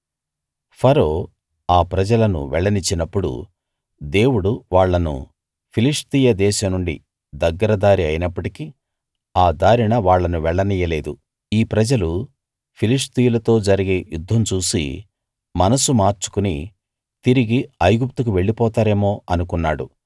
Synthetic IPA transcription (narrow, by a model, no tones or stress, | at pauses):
pʰɐɾo̞ː | aːpɾɐd͡ʒɐlɐnṵʋɛɭːɐnit͡ʃːinɐpːuɽṵ | d̪e̞ːwuɽuʋaːɭːɐnṵ | pʰiliʂt̪iːjɐd̪ɛːʃɐmnuɳɖḭ | d̪ɐɡːɐɾɐd̪aːɾiɐjinɐpːɐʈiki | aːd̪aːɾiɳɐʋaːɭːɐnuʋɛɭːɐniːjɐle̞ːd̪u | iːpɾɐd͡ʒɐlu | pʰiliʂt̪ijulɐt̪o̞ːd͡ʒɐɾiɡe̞ːjud̪ʱːɐmt͡ʃuːsḭ | mɐnɐsumaːɾt͡ʃu̥kuni | t̪iɾiɡiɐjɡup̚t̪ukuʋe̞ɭːipɔːt̪aːɾe̞ːmo̞ːɐnukunːaːɽṵ